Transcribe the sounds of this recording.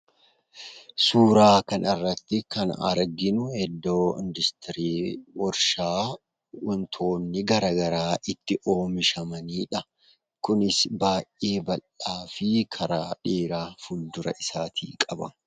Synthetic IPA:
suːɾaːkɐnɪrːɐt̪ːɪkɐnɐ̰ɾɡɪnʊhɛd̪ːo̞ːɪ̰nd̪ɪst̪ɪɾiːwɔɾʃaː | ʊnt̪ʰo̞ːnːɪɡɐɾɐːɡɐɾaːʔɪt̪ːɪʔo̞ːmɪʃɐmɐniːᶑɐ | kʊnɪsbaːʔʔeːbɐlːaːfɪkʰɐɾaːᶑeːɾaːfʊld̪ʊɾɐ̰ʔɪsaːt̪ʰḭːkʼɐbɐ̰

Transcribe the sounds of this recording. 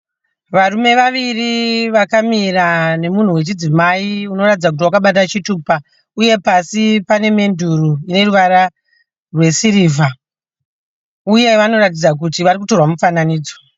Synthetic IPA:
ʋarume̞ʋaʋiriʋakamiɾane̞mun̤uwe̞t͡ʃid͡zimaiuno̞ratid͡zak̬ut̬iwakaɓatat͡ʃituːpa | uje̞pasipane̞me̞ndʱuruine̞ruʋaɾa | rwe̞siɾiːvʱa | uje̞ʋano̞rat̬id͡zak̬utiʋaɾik̬uto̞rwamufananiːd͡zo̥

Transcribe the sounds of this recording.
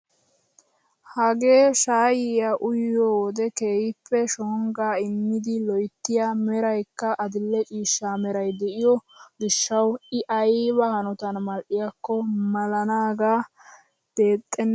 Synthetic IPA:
hɐɡe̞ːʃaːjɪjaʔʊjod̪ɛke̞ːjɪpːɛʃɔŋɡaːɪmːɪd̪ɪlɔjt̪ːɪjamɛɾɐjkːɐʔɐd̪ɪlːɛt͡ʃʼiːʃːaːmɛɾɐjd̪ɛʔɪjɔɡɪʃːɐwɪʔɐjbɐhɐnɔt̪ɐnmɐlʔɪjakːɔmɐlɐnaːɡaː | b̥e̞ːt̪ʼːɛnː

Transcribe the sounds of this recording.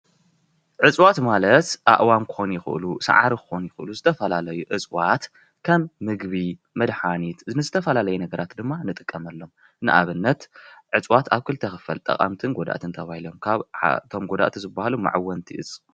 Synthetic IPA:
ʕɨt͡sʼwat̪malɐt̪ʔa̰ʔwamkʰɨ̥xonjɪxɨʔɨlusa̰ʕaɾikʰɨ̥xonjɪxʔɨluzɨt̪ʰɐfɐlalɐjuʕɨt͡sʼwat̪ | kʰɐmːɨɡβi | mɐd̪ħanit̪nɨzɨt̪ʰɐfɐlalɐjɛnɐɡɐɾʔat̪d̪ɨmːanɨt̪ʼɨ̥kʼːɐmɐlːo̞m | nɨʔa̰βɨnːɐt̪ʕɨt͡sʼwat̪aβkʰɨlt̪ʰɐxɨfɐ̰lt̪ʼɐ̰χʼa̰mt̪ʰɨnɡod̪a̰ʔt̪ʰɨnt̪ʰɐβahilo̞mkʰaβa̰t̪ʰo̞mɡod̪a̰ʔt̪ʰizɨbːahaluma̰ʕawːɐnt̪ʰiʔɨz

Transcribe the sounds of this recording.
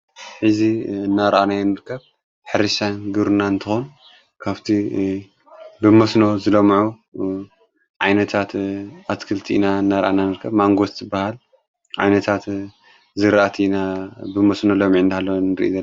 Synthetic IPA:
ħɨziɨnːaɾɐʔanajɛnɨɾkʰːɐβ | ħɨɾɨʃanɡɨɾunaɨnt̪ʰɨxon | kʰaβt̪ʰi | bɨmɐsno̞zɨlomʕu | ʕajnɐt̪ʰat̪askʰɨlt̪ʰiʔinaɨnːaɾɐ̰ʔananɨɾkʰːɐβmaŋɡo̞t̪zɨbːahal | ʕa̰jnɐt̪ʰat̪ | zɨɾʔat̪ʰiinabɨmɐsnolomiʕɨnd̪ihalːownɨɾʔḭzɐlː

